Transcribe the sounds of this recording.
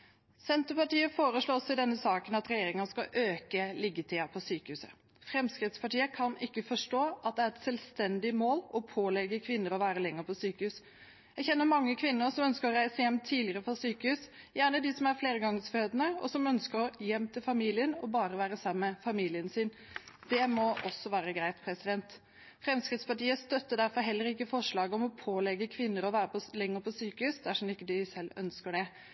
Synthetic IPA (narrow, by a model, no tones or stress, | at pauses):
sɛnt̪əpɑʈiːəfoːɾəʂɭoːɔsɪd̪ɛnːəsɑːkənɑt̪ɾɛjeːɾɪŋɑskɑʔøːkəlɪɡːət̪ʰɪɑpʰɔsyːkəhʉːsə̰ | fɾɛmskɾɪt̪spɑʈiːəkʰɑnɪkːəfɔʂʈoːʔɑt̪̚d̪ɛæːɾɛt̪sɛlst̪ɛnd̪ɪmoːlɔpʰoːlɛɡəkʰʋɪnːəɾɔʋæːɾəlɛŋːəɾpʰɔsyːkəhʉːs | jæɡçɛnːəmɑŋːəkʰʋɪnːəɾsɔmœnskəɾɔɾæɪsəjɛmt̪ʰːiːlɪəɾəpʰɔsyːkəhʉːsjæːɳəd̪ɪsɔmæɾfleːɾəɡɑŋsføːd̪ənəɔ̰sɔmœnskəɾɔjɛmt̪ʰɪlfɑmiːlɪənɔbɑːɾəʋæːɾəsɑmːəfɑmiːlɪənsɪn | d̪̥ɛmɔʔɔsːɔʋæːɾəɡɾæɪt̪pʰɾɛsɪd̪ɛnt̪ | fɾɛmskɾɪt̪spɑʈiːəst̪œt̪ːəd̪æɾfɔɾɦɛlːəɾɪkːəfɔʂɭɑːɡəɔmɔpʰoːlɛɡəkʰʋɪnːəɾɔʋæːɾəpʰɔlɛŋːəɾpʰɔsyːkəhʉsd̪æʂɔmɪkːəd̪ɪsɛlːœ̰nskəɖɛ